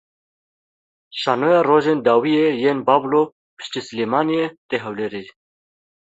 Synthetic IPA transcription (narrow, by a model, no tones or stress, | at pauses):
ʃɑːnojɑroːʒeːnd̪ɑːwijejeːnbɑːblo | pɨ̥ʃt̪isɨlemɑːnijet̪eɦɛwleɾi